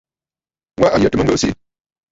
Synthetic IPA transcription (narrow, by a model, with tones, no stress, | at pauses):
wa˦ʔa˨ja˨tɨ˦mə˦ɡo˦sḭ˦